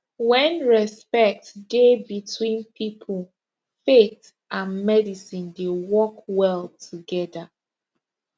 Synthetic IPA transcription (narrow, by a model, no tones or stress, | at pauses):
wɛ̃nɹɛspɛk̚tdebitʰwĩnpʰipʰəl | fet | ʔãnmɛdisĩndewɔkwɛlˠtʰuɡɛða